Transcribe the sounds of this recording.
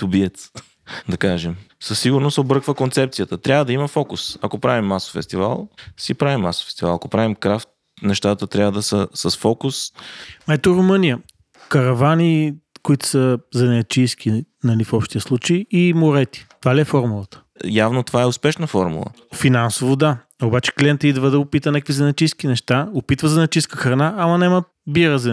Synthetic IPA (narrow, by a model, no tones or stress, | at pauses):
t̪ʊbiɛt̪s | d̪ɐkaʒɛmsəsːiɡʊɾnost̪obɾəkvəkont̪sɛp̚t̪sijət̪ət̪ɾʲabvəd̪ɐiməfɔkʊsɐkopɾavimːaso̥fɛst̪iva̰lˠsipɾavimːaso̥fɛ̥st̪ivalˠɐkopɾavimkɾaft̪ | nɛʃt̪at̪ət̪ɾʲavəd̪ɐsəsəsfɔkʊsmɛt̪oɾʊmɤnijə | kɐɾɐvanikʊit̪ʊ̥səzɐnɛt͡ʃijsk̟i | nɐlifɔpʃt̪ʲijəslˠut͡ʃeiimʊɾɛt̪i̥t̪ovaliɛfɔɾmulˠət̪ə̥ | javnot̪ovaɛʊspɛʃnəfɔɾmṵlˠə̰ | finansovod̪a | obat͡ʃɛ̥kliɛnt̪id̪vəd̪ɐɡʊpit̪ənakəkvizɐnɛt͡ʃijskinɛʃt̪aopit̪vəzɐnɛt͡ʃijskəxɾɐnaːmɐnɛmə | biɾəzɐ